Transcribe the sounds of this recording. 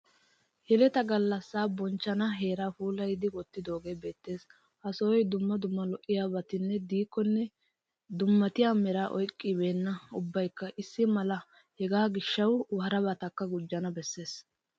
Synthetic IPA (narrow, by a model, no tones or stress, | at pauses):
hɛlɛt̪ɐɡɐlːɐsːaːbɔnt͡ʃːɐnɐɦe̞ːɾaːfuːlɐjd̪ɪwɔt̪ːɪd̪o̞ːɡe̞ːbe̞ːt̪ːe̞ːs | ʔɐsɔwɔjd̪ʊmːɐd̪ʊmːɐlɔʔɪjaːbɐt̪ɪnːɛd̪iːkːɔnːɛ | d̪ʊmːɐt̪ɪjaːmɛɾaːʔɔjkʼːɪbe̞ːnːɐʊbːɐjkːɐʔɪsːɪmɐlɐ | hɛɡaːɡɪʃːɐwwɐɦɐɾɐbɐt̪ɐkːɐɡʊd͡ʒːɐnɐbɛsːe̞ːs